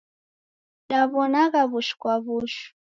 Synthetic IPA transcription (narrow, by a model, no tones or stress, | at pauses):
ɗaβɔnaɣaβuʃu̥kwaβuʃu̥